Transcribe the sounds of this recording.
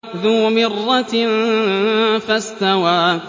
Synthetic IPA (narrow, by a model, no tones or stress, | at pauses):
ðuːmɪrˤːɑ | fast̪awaː